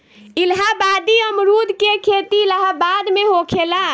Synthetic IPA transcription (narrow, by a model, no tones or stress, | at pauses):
ilɦabad̪iəmɾud̪ʱkekʰet̪iləɦabad̪meɦokʰela